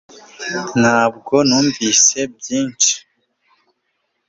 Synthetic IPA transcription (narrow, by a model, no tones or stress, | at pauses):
nhaːb̚ɡo̞nuːɱviːse̞bjiːnt͡ʃi̥